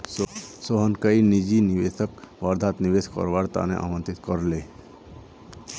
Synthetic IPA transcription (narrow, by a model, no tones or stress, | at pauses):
soɦənkəinid͡ʒiniʋeːsəkʋaːɾd̪ʱaːt̪niʋeskə̰ɾʋaːɾt̪a̰nḛ̃ʔa̰ːmə̃nt̪ɪt̪kəɾleː